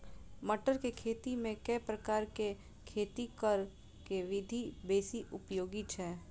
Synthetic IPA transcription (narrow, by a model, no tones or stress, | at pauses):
mɐʈəɾkekʰeːt̪imẽkɛːpɾəkaːɾke | kʰeːt̪ikəɾ | keʋɪd̪ʱibeːsiʔʊpjoːɡit͡ʃʰɛː